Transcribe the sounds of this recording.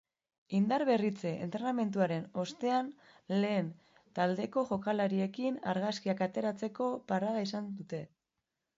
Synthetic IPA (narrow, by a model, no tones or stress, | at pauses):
ind̪aɾβe̞rit͡se̞ʔḛnt̪ɾename̞nt̪uaɾe̞no̞st̪e̞an | le̞ːn | t̪ald̪e̞ko̞ʝo̞kalaɾie̞kina̰ɾɣaskiakat̪e̞ɾat͡se̞ko̞paɾað̞aisand̪ut̪e̞